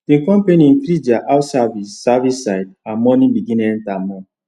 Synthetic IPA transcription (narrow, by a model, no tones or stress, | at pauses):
tiŋ̩kɔ̃m̩penĩn̩fɾid͡ʒaʔaʊtsavissavisaɪdamɔnĩbiɡĩnɛn̩tamɔ